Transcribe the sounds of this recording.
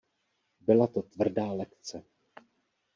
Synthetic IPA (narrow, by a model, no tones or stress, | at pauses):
bɪlat̪o̞t̪vr̩daːlɛkt͡sɛ